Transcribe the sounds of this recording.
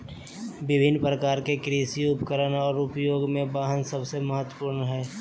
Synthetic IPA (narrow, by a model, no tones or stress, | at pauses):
bɪbʱɪnːpɾəkaːɾkekɾiːsiʊpkəɾənɔːɾʊpjoːɡmẽbaːɦənsəbseməɦət̪wəpuːɾnɦɛː